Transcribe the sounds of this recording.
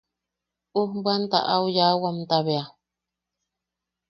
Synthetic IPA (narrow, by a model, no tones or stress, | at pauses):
uhbɨant̪a̰ʔaujawamt̪aβea